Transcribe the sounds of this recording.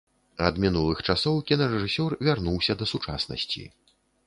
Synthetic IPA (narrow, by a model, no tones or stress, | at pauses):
ɐd̪mʲinulˠɨxt͡ʂasɔwkʲinɐɾɛʐɨsʲɔrvʲarnuwsʲɐd̪ɐsut͡ʂa̰snɐ̰sʲt͡sʲḭ